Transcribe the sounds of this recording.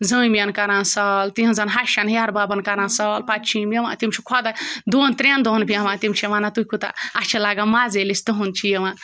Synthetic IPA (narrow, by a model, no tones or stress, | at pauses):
zəimijɐnkaɾãːnsɐlt̪iɦɐ̃nzɐnɦaʃɐnjaɾbaːbɐnkaɾãːnsɐlpat̪t͡ʃʰĩmjɐʋã̰t̪imt͡ʃʰikʰɔd̪ad̪ont̪ɾʲand̪onbʰʱijɐʋãt̪imt͡ʃʰiɐʋanat̪ukut̪a̰ɐt͡ʃʰilaːɡamazelist̪uɦunt͡ʃʰijɐʋã